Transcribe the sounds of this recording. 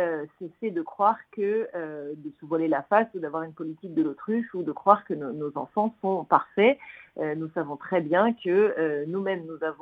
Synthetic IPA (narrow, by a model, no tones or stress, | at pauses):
øsɛsɛd̪əkχwaʁkəød̪əsəvalelafast̪ud̪avwaʁynpɔlit̪ik̚d̪əlot̪χyʃud̪əkχwaʁkənonozɑ̰̃fɑ̃sɔ̃paʁfɛønusavɔ̃t̪χɛbjɛ̃kəønumɛmnuzavɔ̃